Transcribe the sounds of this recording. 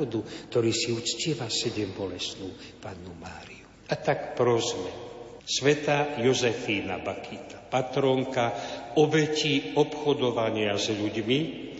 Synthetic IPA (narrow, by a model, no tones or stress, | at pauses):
ɔd̪ukt̪ɔɾiːsiut͡scɪɛʋasɛɟɛmbɔlɛsnuːpaːnːumaːɾiu | at̪akpɾɔzmɛ | sʋɛt̪ajɔzɛfiːna̰bakʰit̪ḁpat̪ɾɔŋkaɔbɛciɔpxɔd̪ɔʋaɲɪazʎuɟmi